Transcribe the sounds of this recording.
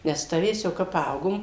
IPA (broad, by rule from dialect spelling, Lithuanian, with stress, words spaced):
nʲɛs ˈtɑːʋʲeːs jɛʊ ˈkɐp ˈpɐɐʊɡoːm